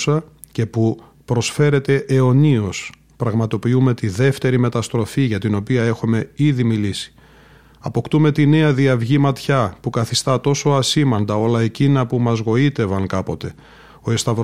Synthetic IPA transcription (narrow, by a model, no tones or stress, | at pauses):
sɐ | ce̞pu | pɾo̞sfe̞ɾe̞t̪e̞ʔeo̞nio̞s | pɾɐɣmɐt̪o̞piume̞t̪iðe̞ft̪e̞ɾime̞t̪ɐst̪ɾo̞fiʝɐt̪ino̞piɐe̞xume̞iðimilisi̥ | ɐpo̞kt̪ume̞t̪ine̞ɐðiɐvʝimɐt̪çɐpukɐθist̪ɐt̪o̞so̞ɐsimɐnd̪ɐo̞lɐecinɐpumɐzɣo̞it̪e̞vɐŋkɐpo̞t̪e̞ | o̞e̞st̪ɐvɾ